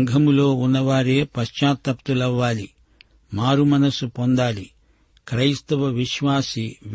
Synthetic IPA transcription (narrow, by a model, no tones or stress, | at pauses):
ŋɡʱɐmlo̞ːunːɐʋaːɾeːpɐʃt͡ʃaːt̪ɐpt̪ulɐʋːaːli | maːɾumɐnɐsupond̪aːli | kɾɐjst̪ɐʋɐʋiʃʋaːsi